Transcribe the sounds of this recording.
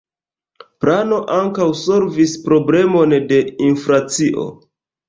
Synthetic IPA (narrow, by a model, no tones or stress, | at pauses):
plano̞ʔaŋkawso̞ɾvispɾo̞ble̞mo̞nde̞infɾat͡siʔo̞̰